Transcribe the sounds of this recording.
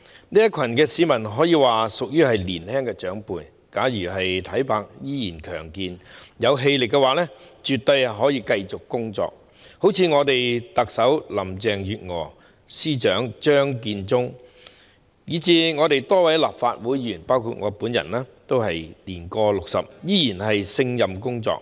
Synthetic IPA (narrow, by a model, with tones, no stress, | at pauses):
niː˥jɐ˥kʷʰɐ˨˩nkɛː˧siː˨˥mɐ˨˩nɦɔː˨˥jiː˨˧waː˨sʊ˨k̚jyː˥hɐ˨jliː˨˩nhɛː˥ŋkɛː˧t͡ʃœː˨˥ŋpuː˨˧j | kaː˨˥jyː˨˩ɦɐ˨jt̪ʰɐ˨˥jpʰaː˧k̚jiː˥jiː˨˩nkʰœː˨˩ŋkiː˨njɐ˨˧wɦe˧jlɪ˨kːɛ˧waː˨˥lɛː˥t͡ʃyː˨t̪ːo˧jɦɔː˨˥jiː˧kɐ˧jt͡sʊ˨kːʊ˥ŋt͡sɔ̰ː˧k̚ | ho˨˥wt͡sʰiː˧ŋɔː˨˧t̪e˨jt̪ɐ˨k̚sɐ˨˥wlɐ˨˩mt͡sɛː˨ŋjyː˨t̚ŋɔː˨˩ | siː˥t͡ʃœː˨˥ŋt͡ʃœː˥ŋk̬iː˧nt͡sʊ˥ŋ | jiː˨˧t͡siː˧ŋɔː˨˧t̪e˨jt̪ɔː˥wɐ˨˥jlaː˨p̚faː˧t̚wuː˨˥jjyː˨˩npaː˥wkʰuː˨˧t̚ŋɔː˨˧puː˨˥njɐ̰˨˩nlaː˥t̪o˥whɐ˨jliː˨˩nkɔː˧lʊ˨k̚sɐ̰˨p̚jiː˥jiː˨˩nɦɐ˨jsɪ˧ŋjɐ˨mkʊ˥ŋt͡sɔ̰ː˧k̚